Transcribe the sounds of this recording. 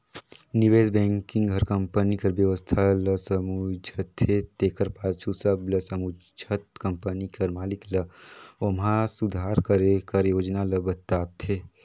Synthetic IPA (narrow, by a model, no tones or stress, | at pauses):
niʋeːzbɛ̃ːŋkɪ̃ŋɡɦɐɾkə̃mpənikɐɾʋjəʋəst̪ʰalɐsɐmud͡ʒʱət̪ʰːet̪eːkəɾpaːt͡ʃʰusɐblɐsɐmu | d͡ʒət̪kɐmpənikɐɾmaːliklɐomɦãsud̪ʱaːɾkəɾekɐɾjoːd͡ʒnalɐbɐt̪aːt̪ʰeː